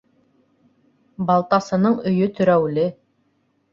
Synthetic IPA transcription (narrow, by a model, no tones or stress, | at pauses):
bɑlˠt̪ɑsɤ̆nɤɴɵ̆jɵt̪ɵ̆ɾæwlɘ